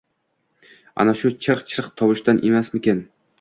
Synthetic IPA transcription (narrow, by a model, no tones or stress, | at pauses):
a̰naʃʊt͡ʃʰɨɾqt͡ʃʰɪɾqt̪ʰɒbɪʃt̪anʔemasmɪkʲen